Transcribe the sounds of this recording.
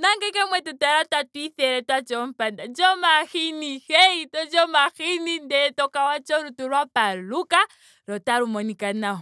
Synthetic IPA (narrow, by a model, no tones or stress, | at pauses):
naŋɡɛkamwɛtutaɾatwatwiθɛɾɛtwat͡ʃɔm̩pandad͡ʒɔmaxinihɛitɔd͡ʒɔmaxinindɛɛtɔkawat͡ʃɔɾutuɾwapaluka | ɾɔtaɾumɔnikanaɦɔ